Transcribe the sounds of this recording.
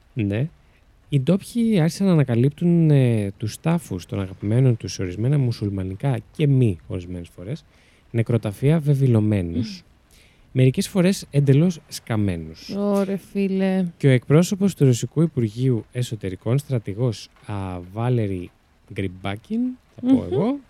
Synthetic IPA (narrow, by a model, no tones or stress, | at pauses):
ne̞ | id̪o̞pçiɐɾçi̥sɐnɐːnɐkɐlip̚t̪unet̪ust̪ɐfust̪onɐɣɐpime̞no̞nt̪useo̞ɾizme̞nɐmusulmɐnikɐce̞mio̞ɾizme̞ne̞sfo̞ɾe̞s | ne̞kɾo̞t̪ɐfiɐve̞vilo̞me̞nus | me̞ɾice̞sfo̞ɾe̞send̪e̞lo̞sskɐme̞̰nusoɾefileceo̞e̞k̚pɾo̞so̞po̞st̪uɾosikuipuɾʝiue̞so̞t̪e̞ɾiko̞nst̪ɾɐt̪iɣo̞s | ɐvɐleɾi | ɡɾibɐcinθɐpoeɣo̞